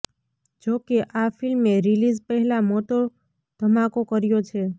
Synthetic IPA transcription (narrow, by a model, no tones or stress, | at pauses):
d͡ʒokeʔafilmeɾilid͡ʒpəɦɛlamot̪o | d̪̥ʱəmakokəɾjot͡ʃʰe